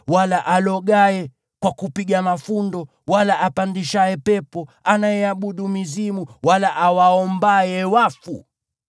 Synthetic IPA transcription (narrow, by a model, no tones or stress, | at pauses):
walaʔalɔɠaɛ | kwakupiɠamafundɔ | walaʔapandiʃaɛpɛpɔanajɛaɓuɗumizimuwalaʔawaɔmbajɛwafṵ